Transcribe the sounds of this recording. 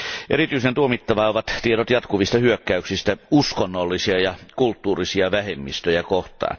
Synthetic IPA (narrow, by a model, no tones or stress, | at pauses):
ʔerit̪yisent̪uomit̪ːɑʋɑoʋɑt̪t̪ieɾot̪jɑt̪kuʋist̪ɑhyøkːæyksist̪æuskonːolːisiɑjɑkult̪ːuːrisiɑʋæhemːist̪øjækoht̪ˑɑ̰ːn